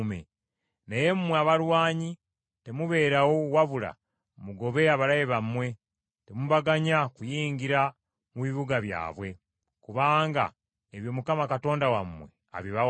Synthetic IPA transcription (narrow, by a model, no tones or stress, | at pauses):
mḛ | neje̞mumweaβaɾwaːɲi | te̞muβe̞ːɾawo̞waβula̰ | muɡo̞βe̞aβalajeβamːwe̞ | temuβaɡaɲakujiːŋɡiɾa | muβiβuɡaβja̰ːβwe̞ | kuβaːŋɡa̰ | eβjo̞mukamakato̞ːndawamːwe̞̰ | a̰βiβa